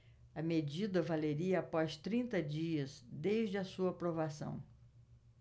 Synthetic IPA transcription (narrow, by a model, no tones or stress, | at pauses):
ɐmed͡ʒid̪ɐvaleɾiɐapɔst̪ɾĩnt̪ɐd͡ʒiɐzd̪ejʒd͡ʒɪɐsuɐapɾovasɐ̰̃w̃